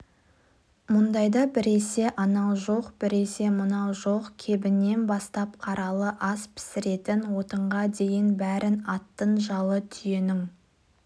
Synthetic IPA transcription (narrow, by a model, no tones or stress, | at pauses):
mʊnd̪ɑjd̪ɑbɪɾe̞se̞ʔɑnɑlˠʒo̞qbɪɾe̞se̞mənɑlˠʒo̞qkʲʰe̞bɪnːe̞nbɑst̪ɑpqʰɑɾɑlˠəʔɑspʰɪ̥sɪɾe̞t̪ɪnwo̞t̪əɴʁɑd̪e̞jɪnbæɾɪnɑt̪ːənʒɑlˠət̪ʰʏje̞nɪŋ